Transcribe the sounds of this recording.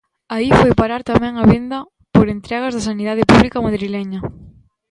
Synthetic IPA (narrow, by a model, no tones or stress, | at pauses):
aifojpaɾaɾt̪amɛ̃ŋɐβend̪ɐ | poɾent̪ɾɛɣ̞ɐzðɐsaniðaðepuβlikɐmaðɾilɛɲɐ